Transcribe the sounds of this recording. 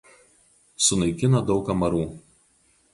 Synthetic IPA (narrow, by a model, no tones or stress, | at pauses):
sʊnɐɪkʲɪnɐd̪ɒʊkɐmɐɾuː